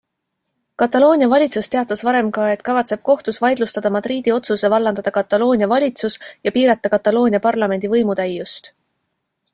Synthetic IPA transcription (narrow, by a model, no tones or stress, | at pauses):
kɑt̪ːˑɑlo̞ːnʲiɑvɑlʲit̪sust̪e̞ɑt̪ːˑɑsvɑɾe̞mkɑe̞t̪kɑvɑt̪se̞b̥̚ko̞ht̪usvɑjd̪̥lust̪ɑd̪ɑmɑd̪̥ɾiːd̪̥io̞t̪suse̞vɑlːɑnd̪ɑd̪̥ɑkɑt̪ːˑɑlo̞ːnʲiɑvɑlʲit̪susjɑpiːɾɑt̪ːˑɑkɑt̪ːˑɑlo̞ːnʲiɑpɑrlɑme̞nʲd̪̥ivɤ̞jmut̪æjːust̪